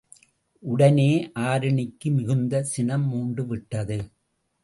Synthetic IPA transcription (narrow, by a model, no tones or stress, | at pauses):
ʔʊɽɐneːʔaːɾɐɳɪkːɯmɪɣɯnd̪ɐsɪnɐmːuːɳɖɯʋɪʈːɐðɯ